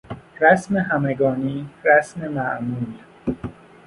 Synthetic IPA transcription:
ɾæsmeɦæmeɡɒːniːɾæsme̞mæʔmuːl

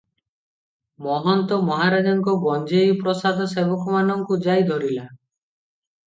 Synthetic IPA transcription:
mɔɦɔnt̪ɔmɔɦaɾad͡ʒɔŋkɔbɔnd͡ʒeipɾɔsad̪ʱɔsebɔkɔmanɔŋkud͡ʒajd̪ʱɔɾila

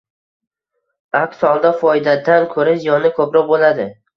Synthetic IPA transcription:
akʲsɒlˠd̪afɒjd̪ad̪ankʰɵɾazijɒnɪkʰɵpɾɒqbolad̪ɪ

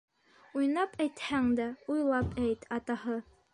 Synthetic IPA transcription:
ujnɑpæjt̪hæŋd̪æujlˠɑpʰæjt̪ɑt̪ɑhɤ

